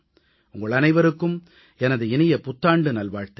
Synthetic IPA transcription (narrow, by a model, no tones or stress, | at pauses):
ʊŋɡɐɭɐnɐɪʋɐɾɯkːɯm | ɛnɐðɯɪnɪjɐpʊt̪ːaːɳɖɯnɐlʋaːɻt̪ɐ